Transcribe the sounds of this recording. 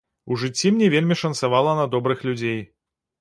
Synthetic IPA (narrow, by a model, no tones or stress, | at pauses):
uʐɨt͡sʲːimnʲɛvʲelʲmʲiʂɐnsavalˠɐnɐd̪ɔbɾɨxlʲud͡zʲej